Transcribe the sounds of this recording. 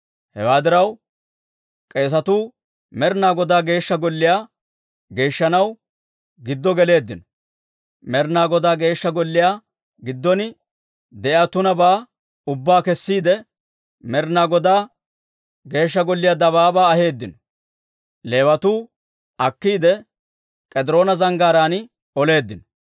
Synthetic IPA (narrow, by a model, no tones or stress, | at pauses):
hɛ̰waːd̪ɪɾɐw | kʼe̞ːs̬ɐt̪uː | mɛɾnaːɡɔd̪aːɡe̞ːʃːɐɡɔlːɪjaː | ɡe̞ːʃːɐnɐw | ɡɪd̪ːɔɡɛle̞ːd̪ːɪnɔ̥ | mɛɾnaːɡɔd̪aːɡe̞ːʃːɐɡɔlːɪjaː | ɡɪd̪ːɔnɪ | d̪ɛʔɪat̪ʊnɐbaː | ʊbːaːkɛsːiːd̪ɛ | mɛɾnaːɡɔd̪aː | ɡe̞ːʃ̬ːɐɡɔlːɪjaːd̪ɐbaːbaːɐhe̞ːd̪ːɪnɔ | le̞ːwɐt̪uː | ɐkːiːd̪ɛ | kʼɛd̪ɪɾo̞ːnɐzɐŋɡaːɾaːnɪ | ɔle̞ːd̪ːɪnɔ̥